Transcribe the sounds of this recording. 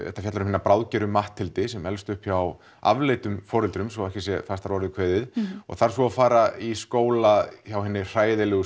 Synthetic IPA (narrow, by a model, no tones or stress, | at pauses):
ɛht̪afjat̪laɾmhinːapɾawðcɛɾʏmːaht̪ʰːɪlt̪ɪsɛmɛlst̪ʏhpçaw | a̰vleːjt̪ʏmfɔːɾɛlt̪ɾʏmsɔɛhcɪsjɛfast̪aɾvɔɾɪðɪkʰvɛːðɪðɔ̰ɣθaɾ̥sɔafaːɾaiskoːwlaçawɦɛnːɪr̥aːjðɪlɛɣʏ